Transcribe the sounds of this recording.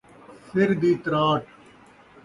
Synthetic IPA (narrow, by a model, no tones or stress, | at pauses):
sɪɾd̪iːt̪ɾaːʈʰ